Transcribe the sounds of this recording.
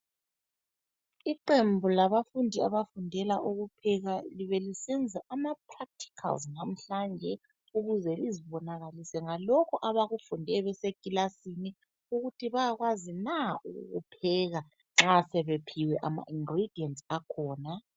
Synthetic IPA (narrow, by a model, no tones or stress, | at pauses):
iǃembʱulaβafundʱiaβafundʱɛlaʔuɣupʰɛɣaliβelisɛnd͡zʱaʔamapʰrak̚tʰi̥kʰa̰lznam̩ɬand͡ʒʱɛ | uɣuzɛliziβɔnaɣalisɛŋalɔkʰɔʔaβaɣufundʱɛβɛsekʼilasini | uɣutʰiβajaɣwazinaṵɣ̰ɣupʰɛɣa | ŋ͡ǁasɛβepʰiwɛʔama̰ʔiŋɡrid̥ʱiɛntʼakʰɔːna